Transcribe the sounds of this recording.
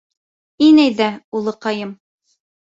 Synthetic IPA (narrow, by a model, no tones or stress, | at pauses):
inæjðæulˠɤqɑjɤm